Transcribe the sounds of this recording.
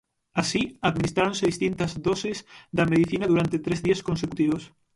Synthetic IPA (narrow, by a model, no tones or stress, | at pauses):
asiaðminist̪ɾaɾõnseðist̪int̪ɐzðɔsɪzd̪ɐmeð̞iθinɐðuɾant̪et̪ɾezðiɐskonsekut̪iβos